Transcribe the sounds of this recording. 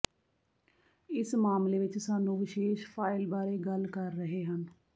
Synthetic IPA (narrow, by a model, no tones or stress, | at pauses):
ɪsmaːmleːʋɪt͡ʃsaːnũːʋɪʃeːʃpʰaːɪlbaːɾeːɡəlkəɾːəɦeːɦən